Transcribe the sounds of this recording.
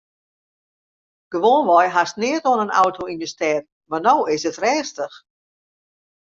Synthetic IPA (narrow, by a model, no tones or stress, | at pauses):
ɡ̥əʋoːnʋɔjɦastnɪətoənəna̰wtʰoinjəstɛt | marnowɪsətrɛːstəx